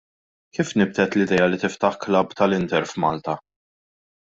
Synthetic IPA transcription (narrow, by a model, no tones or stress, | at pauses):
kiːfnɪb̚t̪ɛt̪lɪd̪ɛjɐlit̪ɪft̪ɐħklɐbt̪ɐlɪnt̪ɛɾfmɐːlt̪ɐ